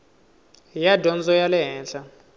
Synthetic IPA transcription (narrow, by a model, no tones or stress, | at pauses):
jadɔnd͡zɔjalɛɦɛːnɬa